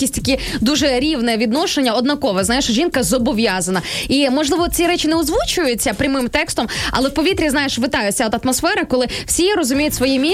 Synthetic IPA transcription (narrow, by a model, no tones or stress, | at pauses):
isʲtʲt̪ɐkʲid̪uʒɛɾʲiwnɛʋʲid̪nɔʃenʲːɐɔd̪nɐkɔʋɛzɑjɪʃʒʲinkɐzɔbɔʋʲjazɐnɐimɔʒlˠɪʋɔt͡sʲiɾɛt͡ʃɪnɛɔzʋut͡ʃʊjʊt͡sʲːɐpɾʲɐmɪmt̪ɛkst̪ɔmɐ̰lˠɛwpɔʋʲit̪ɾʲiznɑjɪʃʋɪt̪ɑjʊsʲɐɔd̪ɐt̪mɔsfɛɾɐkɔlˠɪw̥sʲiɾɔzʊmʲijʊtʲsʋɔjimʲi